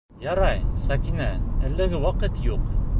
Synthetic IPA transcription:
jɑɾɑjsɑkinæælːɘ̆ɡɘwɑqɤt̪juq

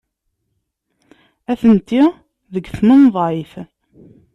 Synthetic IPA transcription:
æθənt̪i | ðəɡθmənðˤʕif

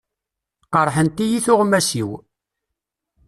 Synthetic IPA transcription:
qəɾˤħənt̪ijiθʊʁmæsiw

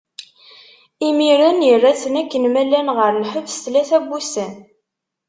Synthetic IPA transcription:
imiɾənjərːæt͡sːənækːənmælænʁəɾlħəvsθlæθæbːusæn

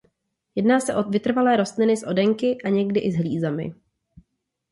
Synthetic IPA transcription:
jɛdnaːsɛʔovɪt̪r̩valɛːɾo̞st̪lɪnɪsʔo̞dɛŋkɪʔaɲɛɡdɪʔɪzɦliːzamɪ̰

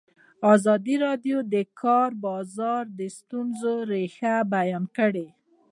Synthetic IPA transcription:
ɑzɑd̪iɾɑɖjod̪əkʰɑɾbɑzɑɾd̪əst̪unzoɾexabajɑnkəɽe

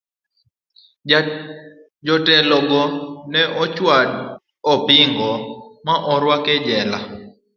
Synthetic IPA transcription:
d͡ʒɔtɛlɔɡɔnɛʔɔt͡ʃwad | ɔpɪŋɡɔmaʔɔɾwakɛd͡ʒɛla̰

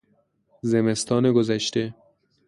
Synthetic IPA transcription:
zemest̪ɒːneɡozæʃt̪e

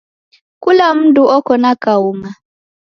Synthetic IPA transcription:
kulam̩duɔkɔnakauŋa

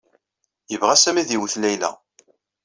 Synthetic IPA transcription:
jəvʁæsæmiðiwθlæjlæ̰

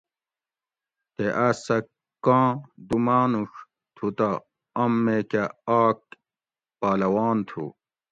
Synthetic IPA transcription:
t̪eʔasɐ | kːãːd̪umaːnuʂ | t̪ʰut̪a | ɐmːekaaːk̚ | paːlɐwaːnt̪ʰṵ

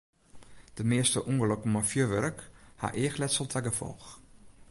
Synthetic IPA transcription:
d̥əmeəstəʔuŋələkmɔfjøʋɛrəkha̰ʔeːxlɛtsəlˠtʰɛɡəfɔ̰lˠx

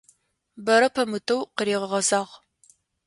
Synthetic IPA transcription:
bɐɾɐpʰɐmɨtʰɐwqəɾiːʁəʁɐzaːʁ

